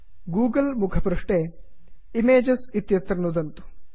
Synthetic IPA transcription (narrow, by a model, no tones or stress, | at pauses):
ɡuːɡɐlmukʰɐpɾɐʂʈe | imeːd͡ʒɐsit̪jɐt̪ɾɐnud̪ɐnt̪u̥